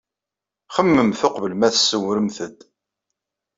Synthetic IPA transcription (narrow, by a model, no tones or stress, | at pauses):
χəmːəmθʊqvəlmæθsːəwɾəmθəd̪